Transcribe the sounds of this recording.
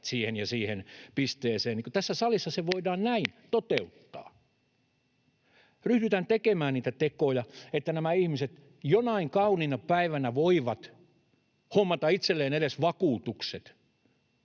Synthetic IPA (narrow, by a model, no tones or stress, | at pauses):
siːhenjɑsiːhenpist̪eːseːniːŋkot̪æsːæsɑlisːɑseʋoidɑːnnæint̪ot̪eut̪ːɑ̰ː | ryhdyt̪ænt̪ekemæːnniːt̪æt̪ekoːjɑet̪ːænæmæihmiset̪ | jonɑiŋkɑuninɑpæiʋænæʋoiʋɑt̪ | homːɑt̪ɑit̪selːeːnedesʋɑkuːt̪ukset̪